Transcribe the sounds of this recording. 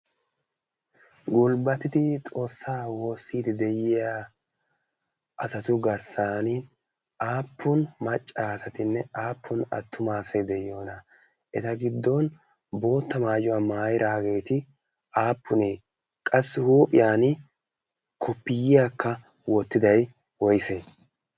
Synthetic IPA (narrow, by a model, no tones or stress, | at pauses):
ɡʊlbɐt̪ɪd̪ɪt̪ʼo̞ːsːaːwo̞ːsːiːd̪ɛd̪ɛjɪja | ʔɐsɐt̪ʊɡɐɾsaːnɪ | ʔaːpʰːʊnmɐt͡ʃʼːaːsɐt̪ɪnːɛaːpːʊnɐ̰t̪ʰːʊmaːsɐjd̪ɛjo̞ːnɐ | ʔɛt̪ɐɡɪd̪ːɔn | bo̞ːt̪ːɐmaːjʊwaːmaːjɪɾaːɡe̞ːt̪ɪ | ʔaːpːʊneː | kʼɐsːɪhuːpʼɪjaːn | kʰɔpːɪjɪjaːkːɐ | wɔt̪ːɪd̪ɐj | wɔjseː